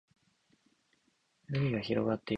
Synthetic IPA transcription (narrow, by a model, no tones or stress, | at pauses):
nɯɲʲiɡaçiɾo̞̰ɡat̪ːe